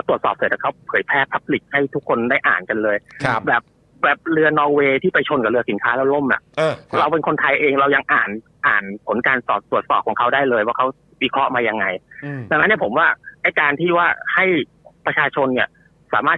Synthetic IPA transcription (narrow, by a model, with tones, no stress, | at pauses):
lt̪u˨˩ət̪sɔː˨˩p̚sɤː˨˩˦t̪ʰːa˨˩kʰa˦˥wpʰɤː˩˦jpʰɛː˥˩pʰːa˦˥p̚li˨˩k̚ha˥˩jt̪ʰu˦˥kʰːo˧ndaː˥˩jʔa̰ː˨˩nka˧nlɤː˧jbɛː˨˩p̚ | bɛː˨˩p̚ɾɯ˧ɐnɔː˧ŋweː˧t̪ʰiː˥˩pa˧jt͡ɕʰo˧nka˨˩ɾɯ˧ɐsi˨˩˦nkʰaː˦˥lɛ˦˥˩lo˥˩mʔa̰˨˩ʔɾa˧wpe˧nkʰo˧nt̪ʰa˧jʔeː˧ŋɾa˧wja˧ŋʔaː˨˩n | ʔaː˨˩npʰo˩˦nkaː˧nt̪ɔ̰ː˨˩t̪̚ːu˨˩ət̪̚sɔ̰ː˨˩p̚kʰːɔː˩˦ŋkʰa˦˥wdaː˥˩jlɤː˧jwaː˥˩kʰa˦˥w | wi˧˩kʰɾɔ˦˥maː˧ja˧ŋːa˧jd̪a˧ŋna˦nːi˥˩pʰo˩˦mwaː˥˩ʔa˥˩jkaː˧nt̪ʰiː˥˩waː˥˩ha˥˩j | pɾa˧t͡ɕʰaː˧t͡ɕʰo˧nːi˥˩ɐ | sa̰ː˩˦maː˥˩t̪